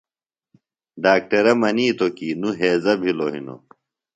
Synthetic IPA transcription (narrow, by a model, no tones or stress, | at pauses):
ɖaːk̚ʈɐɾɐmɐniːt̪okiːnuɦeːzɐbʱiloɦḭno̰